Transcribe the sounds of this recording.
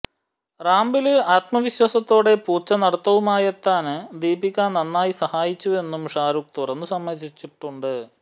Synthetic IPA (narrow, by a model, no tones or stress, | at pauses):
raːmbilɨaːt̪mɐʋiɕwɐsɐt̪ːo̞ːɽe̞puːrt͡ɕːɐnɐɽɐt̪ːɐʋumaːjɐt̪ːaːnd̪iːbikʲːaːnnɐnːaːjisɐhaːjit͡ɕːue̞nːumʂaːɾuk̚t̪urɐnːusɐmːɐðit͡ɕːiʈːuɳɖɨ